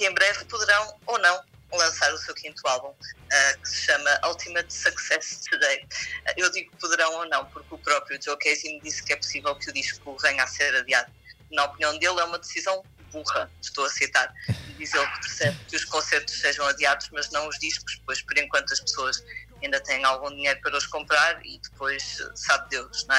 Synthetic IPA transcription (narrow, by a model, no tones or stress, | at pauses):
ẽmbɾɛvpuðɨɾɐ̃w̃onɐ̃w̃ | lˠɐ̃saɾusewkĩnt̪ualˠβũɛkɨ̥sɨ̥ʃɐmɐʔulˠt̪ʰimɐt̪sɐksɛst̪ɨðɐjʔewðiɣupuðɨɾɐ̃w̃onɐ̃w̃puɾkupɾɔpɾjuʒokɐjzimd̪iskɛpu̥sivɛlˠkɨuðiʃkuvɐɲaseɾɐðiaðu | nɐɔpniɐ̃w̃d̪elˠɛumɐðɨsizɐ̃w̃ | buʁɐʃt̪owɐsɐjt̪aɾðizelˠkɨ̥pɨɾsɛβkɨuʃkõseɾt̪u̥ʃseʒɐ̃w̃ɐðiaðuʒ̥mɐʒnɐ̃w̃uʒðiʃku̥ʃpojʃpɔɾẽŋkwɐ̃nt̪uɐʃpsoɐʃɐĩnd̪ɐt̪ɛ̃jẽj̃alˠɣũd̪iɲejɾupɐɾɐuʃkõmpɾaɾḭðɨpojʃsaβd̪ewʃñɛ